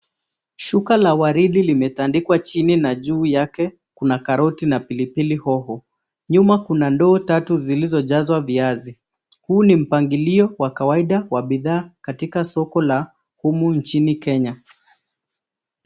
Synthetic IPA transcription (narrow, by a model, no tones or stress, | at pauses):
ʃukalawaɾiɗilimɛtandikwat͡ʃininaʄuːjakɛ | kunakaɾɔtinapilipilihɔhɔ | ɲumakunandɔːtatuzilizɔʄazwaviazi | huːnim̩paŋɡiliɔwakawaiɗawaɓiðaːkatikasɔkɔla | humun̩t͡ʃinikɛɲa